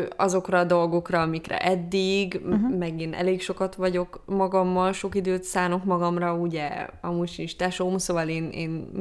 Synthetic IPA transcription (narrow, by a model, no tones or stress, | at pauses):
ɒzo̞krɒd̪o̞lɡo̞krɒɒmikrɛ̰ʔɛd̪ːiɡmɛɡeːnʔɛ̰leːkʃo̞kɒt̪ʋɒɟo̞kmɒɡɒmːɒlʃo̞kid̪øːt̪saːno̞kmɒɡɒmrɒuɟɛɒ̰muʃinʃt̪aːʃomusoːvɒleːnḛːn